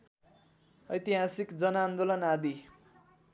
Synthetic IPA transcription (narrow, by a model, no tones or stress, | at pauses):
ʌjt̪iɦasikd͡zʌnʌːnd̪olʌnad̪i